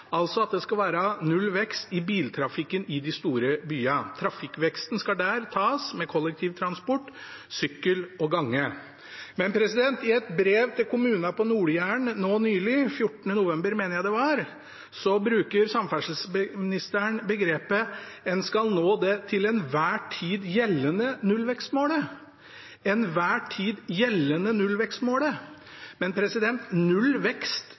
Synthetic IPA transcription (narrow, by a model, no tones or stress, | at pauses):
ɑlt̪sɔɑt̪̚d̪ɛskɑlʋæːɾɑnʉlːʋɛkst̪ɪbiːlt̪ʰɾɑfɪkːənɪd̪ɪst̪uːɾəbyːɑt̪ʰɾɑfɪkːʋɛkst̪ən̩skɑɖ̪æɾt̪ʰɑːsmɛkʰɔlːɛk̚t̪ʰiːʋt̪ʰɾɑnspɔʈːsʏkːəlɔɡɑŋːə | mɛnpʰɾɛsɪd̪ɛnt̪ɪɛt̪bɾeːʋt̪ʰɪlkʰʊmʉːnɑpʰɔnuːɾjæːɳnoːnyːlɪfjʊʈːənənʊʋɛmbəɾmeːnəɾjæɪd̪ɛʋɑɾ | sɔbɾʉːkəɾsɑmfæʂəl̩sbmɪnɪst̪əɳbəɡɾeːpəɛnskɑlnoːd̪ɛt̪ʰɪlɛnʋæːʈʰiːd̪jɛlːənənʉlːʋɛkst̪moːɽə | ɛnʋæːʈʰiːd̪jɛlːənənʉlʋɛkst̪moːlə | mɛnpʰɾɛsɪd̪ɛnt̪nʉlʋɛkst̪